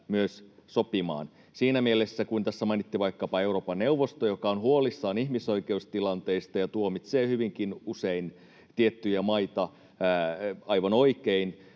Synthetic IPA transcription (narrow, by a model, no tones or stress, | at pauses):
myøssopimɑ̰ːn | siːnæmielesːækuint̪æsːæmɑinit̪ːiʋɑikːɑpɑeuroːpɑnneuʋːost̪ojokɑonhuolisːɑːnihmisoikeust̪ilɑnt̪eist̪ɑjɑt̪uomit̪seːhyʋiŋkinusein | t̪iet̪ːyjæmɑit̪ɑ | ɑiʋɑnoikein